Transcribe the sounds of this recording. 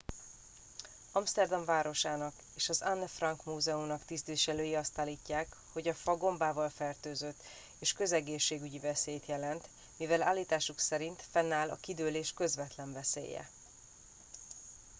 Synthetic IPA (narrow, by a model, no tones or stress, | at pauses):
ɒmst̪ɛrd̪ɒɱvaːɾo̞ʃaːnɒk | eːʃɒzanːfrɒŋkmuːzɛumnɒkt̪ist̪viːʃɛløːjiɒst̪aːlːiːcːaːk | ho̞ɟɒfɒɡo̞mbaːvɒlfɛrt̪øːzøt̪ː | eːʃkø̞zɛɡeːʃːeːɡyɟivɛseːjt̪jɛlɛnt̪ | mivɛlaːlːiːt̪aːʃuksɛɾint̪fɛnːaːlɒ̰kid̪øːleːʃkø̞zvɛt̪lɛɱvɛsḛːjɛ̰